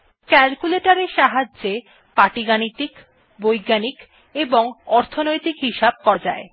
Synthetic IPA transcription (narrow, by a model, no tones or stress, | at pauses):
kɛlkuleʈaɾeʃaɦad͡ʑd͡ʑe | paʈiɡanit̪ik | bojɡːanik | eboŋɔɾt̪ʰonojt̪ikɦiʃab̚kɔɾd͡ʑae